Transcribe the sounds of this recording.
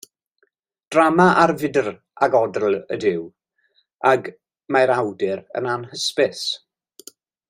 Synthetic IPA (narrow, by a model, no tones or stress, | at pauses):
d̥ramaʔarvɪdər | aɡɔdrl̩ə̰dɪw | aɡ | majɾawdɪɾə̰nanhəspɪs